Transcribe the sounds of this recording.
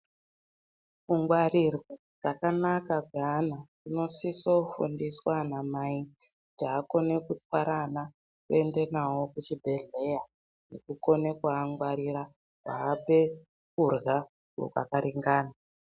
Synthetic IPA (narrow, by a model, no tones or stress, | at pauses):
kuŋɡwarirwo | rakanakaɡʱanakuno̞sisofṵndiswanamai | kutiako̞ne̞kutwaɾana | kue̞nde̞nawo̞kut͡ʃibʱe̞ɮe̞ja | nḛkuko̞nekuaŋɡwaɾiɾa | kaːpe̞ | kurɣa | o̰kwa̰kaɾiŋɡaːna